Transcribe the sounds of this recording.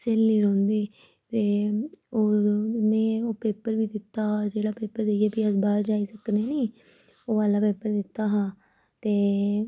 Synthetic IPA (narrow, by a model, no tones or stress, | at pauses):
seːlːiːɾɔ̃ːnd̪iː | t̪eːoːmɛ̃ːoːpeːpəɾʋiːd̪ɪt̪ːaːd͡ʒeːɽaːpeːpəɾd̪eieːbiːəsbaːɾd͡ʒaːiːsəknẽːniː | oːʋaːlaːpeːpəɾd̪ɪt̪ːaːɦãː | t̪eː